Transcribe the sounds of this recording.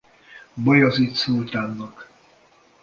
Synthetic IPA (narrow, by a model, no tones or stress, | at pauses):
bɒjɒzit̪soːlt̪aːnːɒk